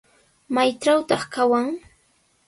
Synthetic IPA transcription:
majʈ͡ʂawt̪ɑχkawaŋ

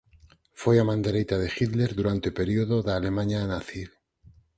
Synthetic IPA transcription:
fejamãnd̪eɾejt̪aðexit̪leɾðuɾant̪epeɾioðoðalemãɲanaθil

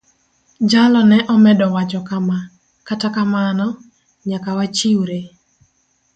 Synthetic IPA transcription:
d͡ʒalɔnɛʔɔmɛdɔwat͡ʃɔkama | katakamanɔ | ɲakawat͡ʃiwɾe

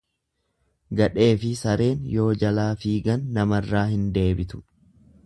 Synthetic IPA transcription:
ɡɐᶑe̞ːfɪsɐɾe̞ːnjo̞ːd͡ʒɐlaːfiːɡɐnːɐmɐrːaːhɪnd̪e̞ːbɪt̪ʊ̥

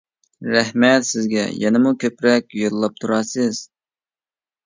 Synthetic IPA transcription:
ɾæhmɛt̪sɪzɡʲɛ̰jɛnɪmukʲʰøpɾɛk̚ʲjolˠɑp̚t̪ʰuɾɑsɨz̥

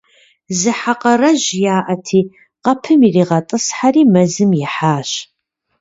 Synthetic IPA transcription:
zɨħaqɐrɐʑjaːʔɐtʰiː | qɐpʰɨmiriːʁɐtʼɨsħariːmɐzɨmjɪħaːɕ

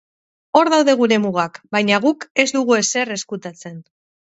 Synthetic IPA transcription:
o̞ɾðawðe̞ɣ̞uɾe̞muɣakbajɲaɣ̞uke̞zd̪uɣue̞se̞re̞skut̪at͡se̞n

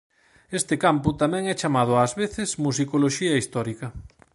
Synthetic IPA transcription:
est̪ɪkampʊt̪amɛ̃ŋɛt͡ʃamað̞ʊaːzβeθɪsmus̬ikoloʃiɐist̪ɔɾikɐ

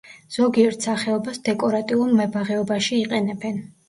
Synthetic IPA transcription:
z̥ɔɡiɛɾt̪ʰsaχɛɔbasd̪ɛkʼɔɾat̪ʼiulˠmɛbaʁɛɔbaʃiːqʼɛnɛbɛn

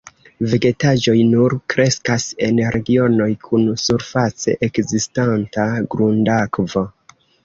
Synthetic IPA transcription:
veɡe̞tad͡ʒo̞jnuɾkɾe̞skase̞nɾe̞ɡio̞no̞jkʰunsuɾfat͡se̞̰ʔekzistantaɡɾundakvo̞

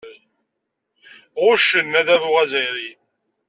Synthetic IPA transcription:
ʁʊʃənːæðæðuʁæzəjɾi

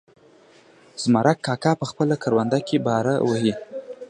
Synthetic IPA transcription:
z̥maɾʔakːɑkɑpəxpəlakʰaɾwand̪akebɑɾa̰wəhi

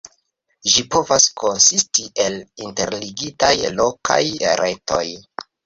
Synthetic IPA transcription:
ʒipo̞vasko̞nsistiʔe̞linte̞ɾliɡitajlokʰa̰jɾʔe̞to̞̰j

